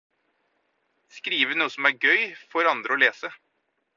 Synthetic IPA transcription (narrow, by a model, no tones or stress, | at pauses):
skɾiːʋənuːəsɔmæɾɡœʏfɔɾɑnd̪ɾəɔleːsə